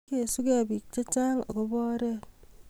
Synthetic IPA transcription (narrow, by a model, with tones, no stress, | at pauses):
ke˦˨su˦ke˦a˨bi˨k̚t͡ʃa˦t͡ʃaː˦ŋa̰˨ko˦bɔː˦ɾɛ˦˨